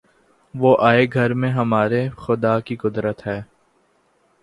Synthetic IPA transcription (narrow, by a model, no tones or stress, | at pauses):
ʋoːʔaːeɡʱɐɾmẽɦɐmaːɾexʊd̪aːkikʊd̪ɾət̪ɦɛː